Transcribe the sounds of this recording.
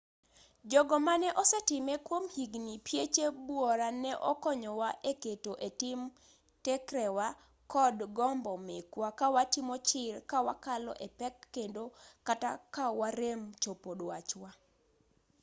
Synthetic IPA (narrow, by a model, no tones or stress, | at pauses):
d͡ʒɔɡɔmanɛʔɔsɛtɪmɛkwomhiɡnipjet͡ʃebwoɾanɛʔɔ̰kɔɲɔwaʔeketoʔetɪm | tɛkɾɛwa | kɔdɡɔmbɔmekwakawatɪmɔt͡ʃɪɾkawa̰kalɔ̰ʔɛpɛkːendokatakawaɾemt͡ʃopodwat͡ʃwa